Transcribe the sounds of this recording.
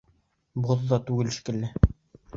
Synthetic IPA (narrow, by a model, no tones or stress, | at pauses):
boððɑt̪ʉɡɘlʃi̥kɘ̆lːɘ